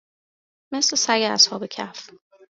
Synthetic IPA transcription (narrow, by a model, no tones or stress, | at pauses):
meslesæɡeæshɒːbecʰæf